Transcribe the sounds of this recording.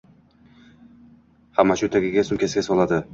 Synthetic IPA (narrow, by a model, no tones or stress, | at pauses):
hamːaʃʊt̪ʰaɡʲɪɡʲasʊmkʲʰesɪɡʲasɒlˠad̪ɪ